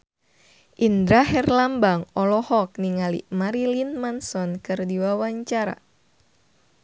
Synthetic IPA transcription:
ʔindɾaɦɛrlambaŋɔlɔhɔk̚niŋalḭmaɾilinmansɔnkɨrdiwawaɲt͡ʃaɾa̰

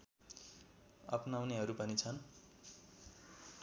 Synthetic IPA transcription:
ʌ̰pnawneɦʌɾupʌnit͡sʰʌn

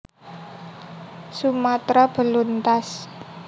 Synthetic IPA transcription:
sumat̪ɾab̥ə̤lunt̪as

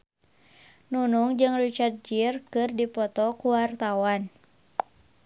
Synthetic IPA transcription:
nunuŋd͡ʒɨŋrit͡ʃart̪̚d͡ʒirkɨrdipɔt̪ɔkuwart̪awan

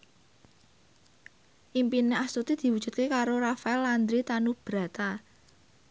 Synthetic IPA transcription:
ʔimpineast̪ut̪id̪̥i̤wu̥ʒ̥ṳt̪̚kekaɾoɾafaɛland̪ɾit̪anub̥ɾa̤t̪a

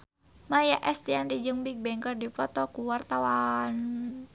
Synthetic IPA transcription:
majaʔɛst̪iɛnt̪id͡ʒəŋbik̚bɛŋkɔrdipɔt̪ɔkuwart̪awan

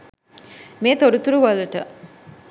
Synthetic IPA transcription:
meːt̪oɾut̪uɾuʋalɐʈə̰

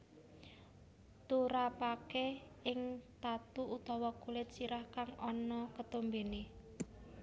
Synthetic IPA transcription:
t̪uɾapake | ɪŋt̪at̪uut̪ɔwɔkulɪt̪̚t͡ʃiɾahkaŋɔnɔkət̪ombene

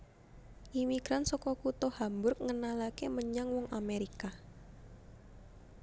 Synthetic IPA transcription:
ʔimiɡ̥ɾansɔkɔkut̪ɔhambʊrk̚ŋənalakeməɲaŋwɔŋʔameɾika

